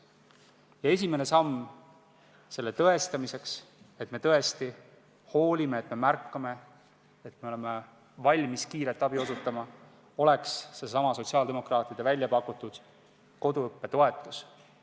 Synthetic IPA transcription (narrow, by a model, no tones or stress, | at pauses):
jɑe̞sʲime̞ne̞sɑmː | se̞lːe̞t̪ɤest̪ɑmise̞ks | et̪ˑme̞t̪ɤ̞est̪i | ho̞ːlʲime̞ːt̪me̞mærkːɑme̞ | et̪me̞o̞le̞me | vɑlʲmiskiːɾet̪ːˑɑb̥io̞sut̪ːˑɑmɑ | o̞le̞ksːe̞sɑmɑso̞t̪ʲsiɑːld̪e̞mo̞krɑːt̪ˑid̪̥evælʲjɑpɑkːˑut̪ːˑud̪̥ | ko̞d̪uɤpːe̞t̪o̞e̞t̪ːˑus